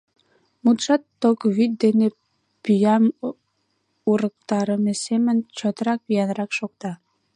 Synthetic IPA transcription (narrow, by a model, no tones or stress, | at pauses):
mut̪ʃɑt̪ːokβyt̪̚d̪ene | pyjɑm | uɾək̚t̪ɑɾəmesemənʲt͡ɕot̪ɾɑkβijɑnɾɑkʃok̚t̪ɑ